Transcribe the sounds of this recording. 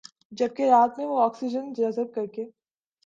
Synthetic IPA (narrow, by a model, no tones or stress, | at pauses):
d͡ʒɐb̚keɾaːt̪mẽʋoɔːksid͡ʒənaːzət̪̚kɐɾkeː